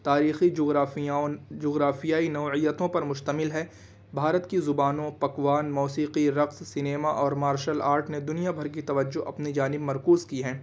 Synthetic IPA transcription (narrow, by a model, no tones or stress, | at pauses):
t̪aːɾiːxi | d͡ʒoːɡɾaːfijaːinɐːijət̪õpɐɾmʊʃt̪əmɪlɦɛː | bʱaːɾət̪kizʊbaːnõpɐkʋaːnmɔːsiːqiɾɐqssɪneːmaʔɔːɾmaːɾʃəlaːɾʈned̪ʊnijabʱɐɾk̬it̪ɐʋəd͡ʒːoʔɐ̰pnid͡ʒaːnɪbmɐɾkuːzkiɦɛ̃ː